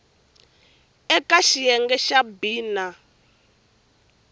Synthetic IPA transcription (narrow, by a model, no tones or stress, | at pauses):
ɛkaʃijɛŋɡɛʃabiːna